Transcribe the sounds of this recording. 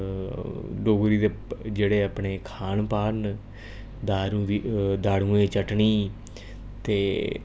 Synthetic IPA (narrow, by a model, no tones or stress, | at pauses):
ɖoːɡɾiːd̪ed͡ʒeːɽeːəpɳeːkʰaːɳpaːɾn | d̪aːɾũid̪aːɽũːẽːt͡ʃəʈɳiː | t̪eː